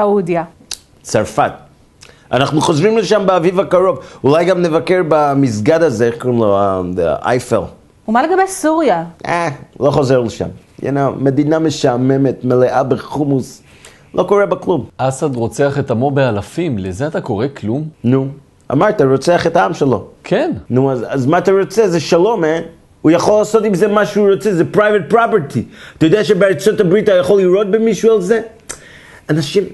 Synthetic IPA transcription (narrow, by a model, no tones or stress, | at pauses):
audja | t͡saɾfat̪ | anaχnuχozvimleʃambeavivakaʁo̞vulajɡamnevakeʁbamis̬ɡad̪azeeχkoʁimloaʔa̰jfel | umaleɡabejsuʁjaalo̞χo̞zeʁleʃa̰m | ḛname̞d̪inameʃame̞me̞tmeleʔabeχumus | lʔo̞koʁebaklumasad̪ʁot͡seaχet̪amobealafimlezeat̪ako̞ʁeklumnu | a̰maɾt̪aɹot͡seaχetaamʃelo̞̰kʰennuazazmat̪aɾot͡sezeʃalo̞men | ujaχo̞lːaːso̞timzemaʃuɾot͡sezepɾajvet̚pɾapeɾtʰiat̪ajod̪eaʃebeat͡sotabɾitajaχoliɾot̪̚bemiʃualze | anaʃim